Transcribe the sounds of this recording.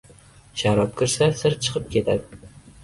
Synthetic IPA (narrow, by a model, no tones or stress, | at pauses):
ʃaɾɒp̚kʲʰɪɾsasɪɾt͡ʃʰɨ̥qʰɨp̚kʲʰe̞t̪ʰad̪ɪ